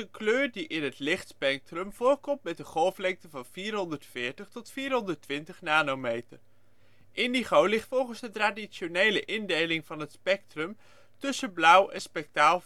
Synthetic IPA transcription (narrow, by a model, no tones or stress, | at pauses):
əkløːɹdiʔɪnɦətlɪχtspɛk̚trəmvʊːrkɔmtmɛtəχɔlˠflɛŋk̚təvɑnviːɹrɦɔndəɹtfɪːɹtəχtɔtfiːɹrɦɔndəɹtʋɪntəχnaːnowmejtər | ʔɪndiχowlɪχtfɔlˠχənzdətraːdisonejləʔɪndejlɪŋvɑnɦətspɛk̚trəm | tɵsəblʌwɛnspɛk̚taːlˠ